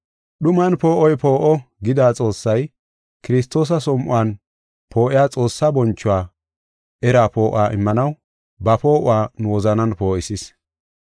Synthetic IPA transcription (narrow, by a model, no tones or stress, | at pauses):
ɗʊmɐnpo̞ːʔɔjpo̞ːʔɔɡɪd̪aːt͡sʼo̞ːsːɐj | kɪɾɪst̪ːo̞ːs̬ɐsɔmʔʊ̰aːn | pʰo̞ːʔɪjaːt͡sʼo̞ːsːabɔnt͡ʃːʊwaː | ʔɛɾaːpo̞ːʔaːʔɪmːɐnɐw | bɐpo̞ːʔʊwaːnʊwɔzɐnɐnpo̞ːʔɪsɪs